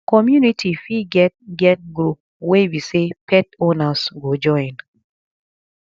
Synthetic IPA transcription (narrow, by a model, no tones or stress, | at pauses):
kɔmjunitʰifiɡɛt̚ɡɛt̚ɡɾup̚ | webisepʰɛtonasɡod͡ʒɔin